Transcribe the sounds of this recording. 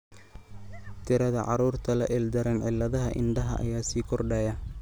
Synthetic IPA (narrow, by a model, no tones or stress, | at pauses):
t̪ʰɪɾɐðɐʕɑɾuːrt̪ʰɐlɐʔɛld̪ɐɾɛnʕɪlːɐðɐɦɐʔɪ̰nɖɐɦɐ̰ʔɐ̰jaːsiːkʰɔrɖɛːjɐ